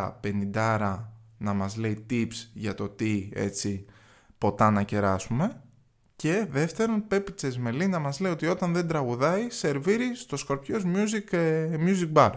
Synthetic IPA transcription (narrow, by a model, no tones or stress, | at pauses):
pe̞nind̪ɐɾɐnɐmɐzle̞it̪ipsʝɐt̪o̞t̪ie̞̰t͡si | po̞t̪ɐnɐce̞ɾɐsume̞ | ce̞ðe̞ft̪e̞ɾonpe̞pit͡sezme̞linɐmɐzle̞io̞t̪io̞t̪ɐnðend̪ɾɐɣuðɐise̞ɾviɾist̪o̞skoɾpço̞zmjuzikmjuzik̚bɐɾ